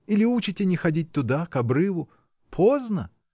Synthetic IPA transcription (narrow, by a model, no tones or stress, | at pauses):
ilʲɪut͡ʃɪtʲɪnʲɪxɐdʲit̚ʲt̪ʊd̪akɐbɾɨvʊ | pʰoznə